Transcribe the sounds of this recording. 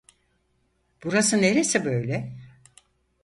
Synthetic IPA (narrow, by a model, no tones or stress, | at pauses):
b̥uɾasɯne̞ɾesibø̞jlʲɛ